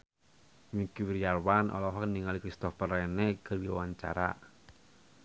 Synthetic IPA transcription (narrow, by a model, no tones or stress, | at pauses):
mikiwiɾiarwanʔɔ̰lɔɦɔkniŋalikɾist̪ɔfərɛnekɨrdiwawaɲt͡ʃa̰ɾa̰